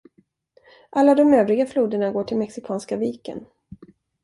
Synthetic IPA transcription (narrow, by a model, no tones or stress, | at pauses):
ʔalːad̪ɔmøːvɾɪɡafluːd̪əɳaɡoːʈʰɪlmɛksɪkʰɑːnskaviːkə̰n